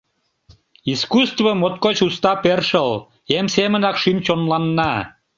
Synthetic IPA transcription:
iskust̪vəmot̪̚kot͡ɕust̪ɑperʃəl | emsemənɑkʃymt͡ɕonlɑnːɑ

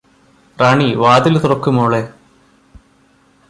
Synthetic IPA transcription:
raɳiʋaːd̪ilt̪urɐkːumoːɭe

